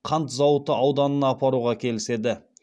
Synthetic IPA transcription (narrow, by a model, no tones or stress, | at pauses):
qʰɑnt̪zɑwət̪ːəɑwd̪ɑnənɑːpɑɾuʁɑkʲʰe̞lɪse̞d̪ɪ